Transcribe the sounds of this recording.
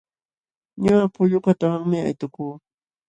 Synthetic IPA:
ɲʊapʊʎʊkat̪awaŋmɪa̰jt̪ʊkuː

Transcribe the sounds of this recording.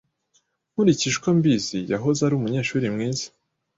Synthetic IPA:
huɾiciʃkombizijaɦozaɾumuɲe̞ːʃuːɾimŋiːzḁ

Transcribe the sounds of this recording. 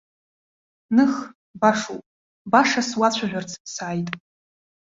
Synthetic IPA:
nɨχ | baʂṵpʼ | baʂaswat͡ɕʷʰaʒᶣʷart͡sʰsaːjtʼ

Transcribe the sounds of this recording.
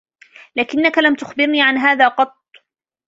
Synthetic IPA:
laːkɪnːakalamt̪ʊxbɪɾniːʕanɦaːðaːqɑt̪̚ˤː

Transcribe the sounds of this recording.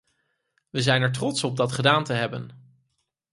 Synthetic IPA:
ʋəzɛjnɛɹt̬rɔtsɔb̚dɑtχədaːntəɦɛbən

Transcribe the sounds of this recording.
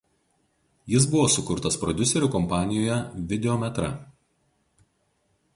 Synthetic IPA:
jɪs̬bʊʋoːsʊkʊɾt̪ɐspɾɔd̪ʲʊsʲɛɾʲʊkɔmpɑːnʲɪjoːjɛʋʲɪd̪ʲɛɔmʲɛt̪ɾɐ̰

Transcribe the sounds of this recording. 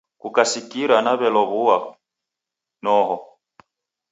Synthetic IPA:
kukasikiɾanaβɛlɔβuwa | nɔɦɔ

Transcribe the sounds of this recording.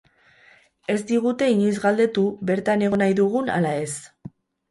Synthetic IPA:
e̞zd̪iɣ̞ut̪e̞iɲojzɣald̪e̞t̪uβe̞ɾt̪ane̞ɣ̞o̞najðuɣ̞una̰lae̞s

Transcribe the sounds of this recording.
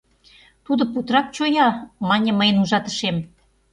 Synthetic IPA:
t̪ud̪ŏput̪rɑk̚t͡ɕojɑmɑnʲĕməjənuʒɑt̪ə̥̆ʃem

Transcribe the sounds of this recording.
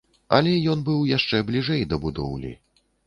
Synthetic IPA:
ɐlʲɛjɔnbɨwjaʂt͡ʂɛblʲiʐɛjd̪ɐbud̪ɔ̰wlʲḭ

